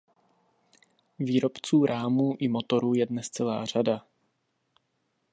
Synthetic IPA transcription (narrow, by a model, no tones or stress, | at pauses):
viːɾo̞pt͡suːɾʔaːmuːʔɪmo̞t̪o̞ɾuːjɛdnɛst͡sɛla̰ːr̝ada